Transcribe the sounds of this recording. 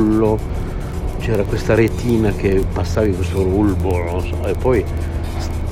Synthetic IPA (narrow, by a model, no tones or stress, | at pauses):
lːo | t͡ʃɛːɾakwest̪aɾet̪ʰiːnak̟epasːaːvikwest̪orulbonosɔepːɔj | s